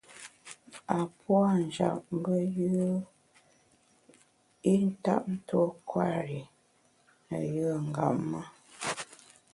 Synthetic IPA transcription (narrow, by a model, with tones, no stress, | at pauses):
a˨pwa˦n̩˨d͡ʒa̰˨pm˦bə˦jɯ˦ | i˦n̩˦ta̰˦˨p̚n̩˦to˦kwa˦ɾi˨ | nə˨jɯ˦ŋ̩˨ɡa̰˨ʔma˦